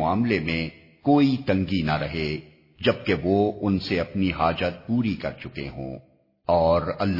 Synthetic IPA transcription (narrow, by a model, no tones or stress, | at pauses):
aːmlemẽ | koːit̪ɐ̃ŋɡinaɾɐɦe | d͡ʒɐb̚keʋoʊnseɐpniɦaːd͡ʒət̪̚puːɾikɐ̰ɾt͡ʃʊkḛɦõ̰ː | ɔːɾɐlː